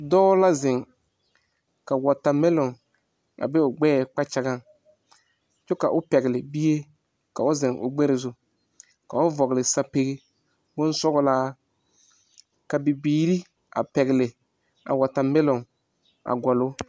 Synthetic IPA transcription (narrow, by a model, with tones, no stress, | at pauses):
dɔː˦la˦zɪ˨ŋ | ka˨wɔ˨ta˨mɛ˦lɔ˨ŋ | a̰˨bɛ˦ʊ˨ɡ͡bɛː˦˨k͡pa˦t͡ʃa˦ɡa˦ŋ | t͡ʃʊ˦ka˨ʔʊ˦pɛ˨ɣɪ˨lɪ˨bi˦je˦ | ka˨ʊ˦zɪ˨ŋʔʊ̰˨ɡ͡bɛ˦ɾɪ˨zʊ˦ | ka˨ʊ˦vɔ˨ɣlɪ˨sa˦pe˦ɣe˦ | bo˦n˦sɔ˦ɡʊ˦laː˦ | ka˨bi˨biː˨ɾi˦ | a̰˨pɛ˨ɣɪ˨lɪ˨ | a̰˨wa˨ta˨mɛ˦lɔ˨ŋ | a̰˨ɡɔ˨lʊ˦